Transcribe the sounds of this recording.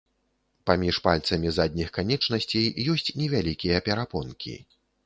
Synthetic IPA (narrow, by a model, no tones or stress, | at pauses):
pamʲiʂpalʲt̪sɐmʲizad̪̚ʲnʲixkanʲɛt͡ʂnɐsʲt͡sʲejjɔsʲt͡sʲnʲɛvʲalʲikʲijɐpʲɛɾapɔnkʲʰḭ